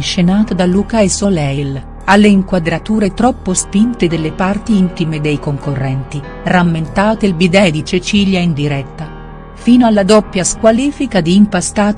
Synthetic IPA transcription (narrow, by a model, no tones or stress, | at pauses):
ʃenaːt̪od̪alːukaesolɛjl | alːeiŋkwad̪ɾat̪uːɾet̪ɾɔpːospint̪ed̪elːepart̪iint̪imed̪ejkoŋkorːɛnt̪i | ramːent̪aːt̪elbid̪ɛd̪it͡ʃet͡ʃiːljaind̪iɾɛt̪ːa | fiːnoalːad̪ɔpːjaskwaliːfikad̪iːmpast̪aːt̪